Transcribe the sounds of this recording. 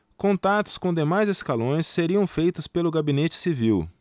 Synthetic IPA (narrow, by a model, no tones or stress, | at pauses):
kõnt̪at̪ʊ̥skõd̪emajzeskalõj̃sːeɾiɐ̃w̃fejt̪ʊspelʊɡabinet͡ʃɪ̥siviw